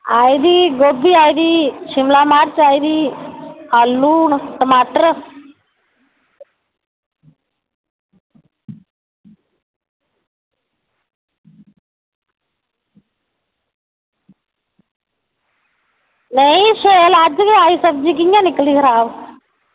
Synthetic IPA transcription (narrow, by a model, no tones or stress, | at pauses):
aːjd̪iɡobiajd̪iʃimlaːmaːɾt͡ʃajd̪i | hɐlːuːnʈɐmaːʈəɾ | nejʃelaːd͡ʒɐɡɐaːjisɐb̚d͡ʒik̬iŋɡanikɐliɡɐɾaːʋ